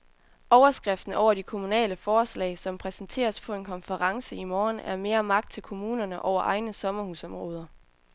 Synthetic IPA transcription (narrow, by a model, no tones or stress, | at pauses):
ʔɒʊɐsɡ̥ʁɛfd̥n̩ɒʊɐd̥ikʰo̝munɛ̰ːləfɒːslɛ̰ːɪsɒ̽mpʰʁɛsn̩t͡sʰe̝̰ːɐspʰɒ̽e̝nkʰɒ̽nfəʁɑ̈ŋsəimɒːnæɐme̝ːɐmɑ̈ɡ̥d̥̚t͡sʰe̝lkʰo̝muːnɐnəʔɒʊɐʔɑ̈ɪnəsɒ̽mɐhuːsɒ̽mʁɔ̰̽ːð̞ˠɐ